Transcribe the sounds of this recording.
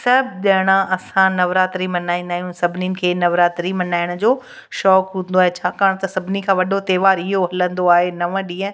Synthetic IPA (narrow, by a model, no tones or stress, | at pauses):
sɐbʱɗɐɦɽ̃ãʔɐsãnɐʋɾaːt̪ɾimɐnaːĩnd̪aːɦijũsɐbʱnikʰeːnɐʋɾaːt̪ɾimɐnaːɪɽ̃ʊ̆d͡ʑoː | ʃɔːkɦũnd̪oaːɦet͡ɕʰaːkaːɽ̃t̪ɐsɐbʱɪnikʰãːʋɐɗot̪eːʋaːɾɪɦoɦɐlə̃nd̪oaːɦenɐʋə̃ɗĩːə̃